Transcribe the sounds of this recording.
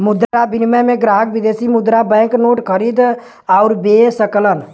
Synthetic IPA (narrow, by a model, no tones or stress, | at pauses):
mʊd̪ɾabɪnmɛmẽɡɾaːɦəkʋɪd̪eːsimʊd̪ɾabɛ̃ːknoːʈkʰəɾiːd̪ | ɔʊɾbesəklən